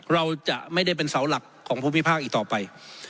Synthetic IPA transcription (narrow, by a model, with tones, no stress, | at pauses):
ɾa˧wt͡ɕa˨˩ʔma˥˩jda˥˩jpe˧nsa˩˦wla˨˩kʰːɔː˩˦ŋpʰuː˥˩mi˥pʰaː˥˩k̚ʔiː˨˩k̚t̪ɔː˨˩pa˧j